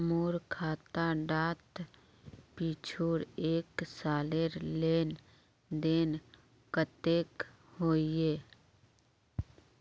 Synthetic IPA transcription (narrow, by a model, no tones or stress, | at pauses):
moːɾkʰaːt̪aɖaːt̪ | piːt͡ʃʰoːɾeːksaːleɾleːn | d̪eːn | kət̪eːk | hoːieː